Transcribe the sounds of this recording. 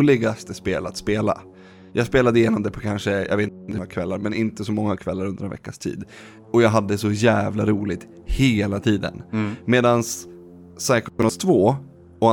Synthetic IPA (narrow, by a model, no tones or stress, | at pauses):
lɪɡast̪əspeːla̰t̪speːla̰ | jʔɑːɡspeːlad̪əjɪnɔmd̪ɛpʰɔkʰanʂəjʔa̰ɡveːt̪md̪ɵŋːakʰvɛlːaɾmɛnɪnt̪əsɔmɔŋːakʰvɛlːaɾɵnd̪əɾɛnvɛ̰kːast̪ʰḭːd̪ | ɔjɑːɡɦad̪ːəsɔjæːvlaɾuːlɪɡ̚t̪ | heːlat̪ʰiːd̪ə̰nmeːd̪ansː | ajkɔnɔst̪ʰvoː | ɔa